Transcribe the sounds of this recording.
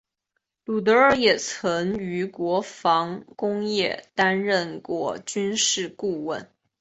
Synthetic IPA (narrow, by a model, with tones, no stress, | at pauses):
lu˨˩t̪̬ɤ˧˥ə˞˥˩jɛ˨˩t͡sʰɤ˧˥ŋy˧˥kwɔ˧˥fɑ˧˥ŋkʊ˥ŋjɛ˥˩t̪a˥nɻə˥˧nkwɔ̰˥˩t͡ɕy˥nʂɻ̩˥˧ku˥˧wə˥˩n